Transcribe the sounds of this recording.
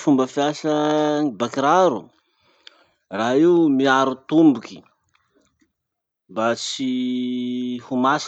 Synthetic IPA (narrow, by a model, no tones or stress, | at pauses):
fumbəfjasəbakiɾaɾu | raɦiumiaɾut̪umbuki̥ | bat͡si | humas